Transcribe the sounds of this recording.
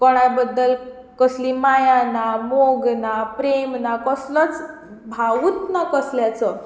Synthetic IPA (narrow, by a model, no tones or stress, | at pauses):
kɔɽ̃ajbəd̪ːəl | kəslimajanamoɡnapɾemnakəslət͡s | bʱaʋut̪nakəsljat͡sə